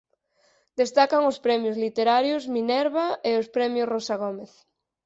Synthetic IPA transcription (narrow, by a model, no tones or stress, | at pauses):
d̪est̪akɐŋʊspɾɛmjozlit̪eɾaɾjʊzminɛɾβaeʊspɾɛmjʊsrosaɣ̞omeθ